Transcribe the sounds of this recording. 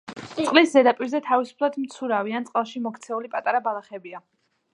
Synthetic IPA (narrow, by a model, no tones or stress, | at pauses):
t̪tt̪sʼqʼliszɛd̪apʼiɾzɛt̪ʰavisu̥pʰlˠad̪mt̪sʰuɾavianʼqʼɛlˠʃimɔkʰt̪sʰɛulipʼat̪ʼaɾabalˠaχɛbia